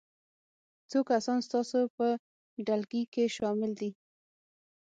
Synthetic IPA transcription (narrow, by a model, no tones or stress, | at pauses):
t͡sokasɑnst̪ɑsopə | ɖalɡikeʃɑmɪld̪i